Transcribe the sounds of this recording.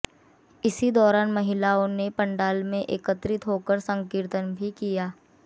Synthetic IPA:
ɪsid̪ɔːɾaːnmɐɦɪlaːõnepɐ̃ɳɖaːlmẽʔeːkət̪ɾɪt̪ɦoːkəɾsə̃ŋkɪɾt̪ənbʱikijaː

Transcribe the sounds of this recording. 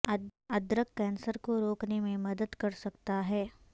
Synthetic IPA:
ɐd̪ɾəkːɛːnsəɾkoɾoːknemẽmɐd̪əd̪kɐɾsɐkt̪aɦɛː

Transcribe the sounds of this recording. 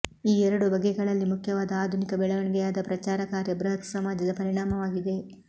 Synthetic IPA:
iːɛɾɐɽubɐɡɛɡɐɭɐlːimukʰjɐʋaːd̪ɐaːd̪ʱunikɐbɛɭɐʋɐɳɡɛjaːd̪ɐpɾɐt͡ʃaːɾɐkaːɾjɐbɾɐɦɐk̪sɐmaːd͡ʒɐd̪ɐpɐɾiɳaːmɐʋaːɡid̪e̞

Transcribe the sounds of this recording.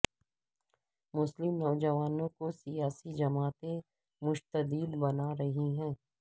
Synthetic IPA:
mʊslɪmnɔːd͡ʒɐʋaːnõkosijaːsid͡ʒɐmaːt̪e | mʊʃt̪əd̪iːlbɐnaɾɐɦiɦɛ̃ː

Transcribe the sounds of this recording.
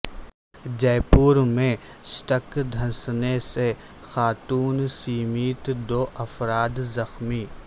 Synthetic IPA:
d͡ʒɛːpuːɾmẽ | sʈəkd̪ʱɐ̃snese | xaːt̪uːnsiːmiːt̪d̪oːʔɐfɾaːd̪zɐxmiː

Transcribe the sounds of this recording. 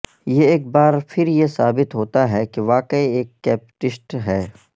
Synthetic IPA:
jeeːk̚baːɾpʰɪɾjesaːbɪt̪ɦoːt̪aɦɛkeʋaːkəieːkːɛːpʈɪsʈɦɛː

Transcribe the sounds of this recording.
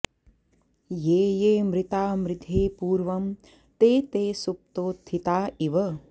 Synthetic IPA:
jeːjeːmɾɪt̪aːmɾɪd̪ʱeːpuːɾʋɐm | t̪eːt̪eːsup̚t̪oːt̪ʰːit̪aːiʋɐ

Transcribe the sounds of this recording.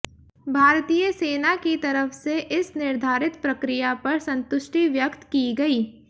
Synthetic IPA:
bʱaːɾt̪iːjəseːnakit̪ɐɾəfʰseʔɪsnɪɾd̪ʱaːɾɪt̪̚pɾɐkɾɪjapɐɾsɐ̃nt̪ʊʃʈiʋjəkt̪kiɡɐiː

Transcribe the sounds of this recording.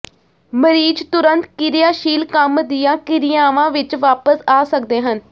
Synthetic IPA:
məɾiːd͡ʒt̪ʊɾənt̪kɪɾɪjaːʃiːlkəmd̪ɪjãːkɪɾɪjaːʋãːʋɪt͡ʃʋaːpəsaːsək̚d̪eːɦən

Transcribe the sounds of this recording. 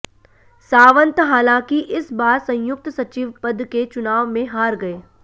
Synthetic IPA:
saːʋə̃nt̪ɦaːlãːkiʔɪsbaːɾsɐ̃j̃jʊk̚t̪sɐt͡ʃiʋpɐd̪ket͡ʃʊnaːʋmẽɦaːɾɡɐeː

